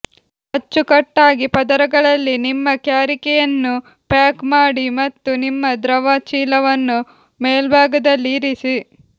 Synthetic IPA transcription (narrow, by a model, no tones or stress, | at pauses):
hɐt͡ʃːukɐʈːaːɡipɐd̪ɐɾɐɡɐɭɐlːinimːɐkjaːɾikɛjɐnːu | pjaːkmaːɽimɐt̪ːunimːɐd̪ɾɐʋaːt͡ʃiːlɐʋɐnːu | meːlbʱaːɡɐd̪ɐlːiɾisi